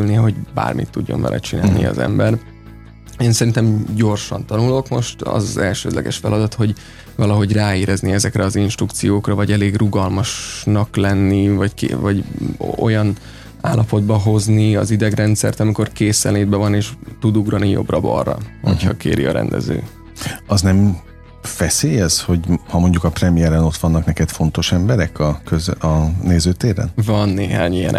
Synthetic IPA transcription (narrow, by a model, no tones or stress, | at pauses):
lneɦo̞ɟba̰ːrmḭt̪ːuɟːo̞̰nvɛ̰lʔɛ̰t͡ʃina̰ːlnḭɒ̰zɛ̰mbɛr | eːnsɛɾint̪ɛmɟo̞rʃɒnt̪ɒnulo̞kmo̞ʃt̪ɒ̰zɒzɛlʃøːd̪lɛ̰ɡɛʃfɛlɒd̪ɒt̪ho̞ɟ | vɒlɒɦo̞ɟraːeːɾʔɛzniɛzɛkrɛɒzinʃt̪rukt̪sijoːkrɒvɒɟɛleːɡruɡɒlmɒʃnɒklɛnːivɒckḛvɒɟojɒn | aːlːɒpo̞d̪̚bɒɦo̞zniɒ̰zid̪ɛɡrɛnt̪sɛ̰rt̪ɒmiko̞rkeːsɛleːd̪̚bɛvɒneːʃt̪ud̪uɡrɒnijo̞̰brɒbɒ̰rːɒ̰ho̞̰chɒ̰kḛːɾḭɒ̰ɾɛ̰nd̪ɛ̰zø̰ː | ɒznɛm | fɛseːjɛsho̞ɟhɒmo̞ɲɟukɒprɛmijɛɾɛno̞t̪ʋɒnːɒknɛkɛt̪fo̞n̪t̪o̞ʃɛmbɛɾɛkʰɒkøzɒneːzøːt̪eːɾɛ̰nvɒnːeːɦa̰ːɲijɛ̰n